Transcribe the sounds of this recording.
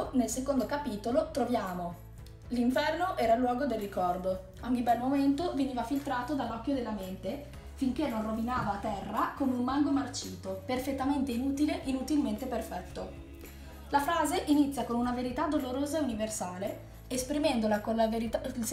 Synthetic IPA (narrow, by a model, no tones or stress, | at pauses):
nelsekond̪okapiːt̪olot̪ɾovjaːmo | liɱfɛrnoʔɛːɾalwɔːɡod̪elːikɔrd̪o | ɔɲːibɛlmoment̪oveniːvafilt̪ɾaːt̪od̪alːɔkːjod̪elːament̪e | fiŋk̟enːonrovinaːvat̪ɛrːakomeummaŋɡomart͡ʃiːt̪operfet̪ːament̪einuːt̪ileʔinut̪ilment̪eperfɛt̪ːo | lafɾaːzeʔinit̪sːjakonunaveɾit̪ad̪oloɾoːzauniversaːle | espɾimɛnd̪olakonlavɾi